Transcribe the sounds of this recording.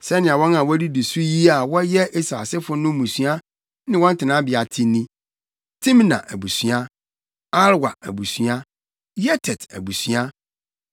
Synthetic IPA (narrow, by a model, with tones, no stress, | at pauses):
sɛ˦nɪ̃˨a˨wɔ̃˦nã˨wɔ˦di˦di˨su˦ji˦a˨wɔ˦jɛ˦ʔi˦sɾa̰˨sɪ˦fʊ˦nʊ̃˦mũ˨sɥa˦ | nɪ̃˦wɔ̃˦n̩˦tʰɪ˨nã˨˦bɪ˨a˨tʰĩ˦nĩ˦ | tʰĩ˦mnã̰˨ʔæ˨bu˨sɥa˦ | a˦lwa̰˨æ̰˨bu˨sɥa˦ | jɛ˦tʰɛ˨tæ̰˨bu˨sɥa˦